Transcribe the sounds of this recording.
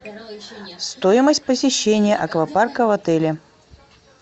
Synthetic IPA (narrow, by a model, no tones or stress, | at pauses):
st̪ojɪməsʲt̚ʲpəsʲɪɕːenʲɪjəʔɐkvɐparkəvɐt̪ɛlʲɪ